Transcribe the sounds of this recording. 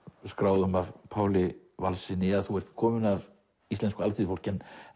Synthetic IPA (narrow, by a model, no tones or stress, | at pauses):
skɾaːwðʏmavpʰaːwlɪ | valsɪnɪaðθuɛr̥t̪̚kʰɔːmɪnav | ist̪lɛnskʏalθifowl̥cɛn